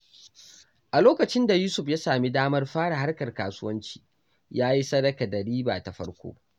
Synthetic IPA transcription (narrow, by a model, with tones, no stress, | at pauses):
ʔa˨loː˦kɐ˨t͡ʃɪ˦nda˨juː˦sʊ˨ɸja˦saː˨mi˦daː˦mɐ˦rɸaː˦ɽa˨ɦa˦rkɐ˨rkaː˨sʊ˦wɐ˦nt͡ʃi̥ː˨ | jaː˦ji˦sɐ˦dɐ˨kɐ˨dɐ˨ɽiː˦ba̰ː˨ta˨ɸɐ̰˦ɽkʷo̰ː˦